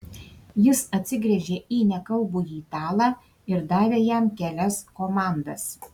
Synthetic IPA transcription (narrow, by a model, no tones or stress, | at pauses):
jɪsɐt̪ʲsʲɪɡɾʲɛʒʲeːʔiːnʲɛkɐlˠbuːjiːt̪ɑːlˠɑː | ɪɾd̪ɑːʋʲeːjɛmkʲæːlʲɛskoːmɑˑnd̪ɐs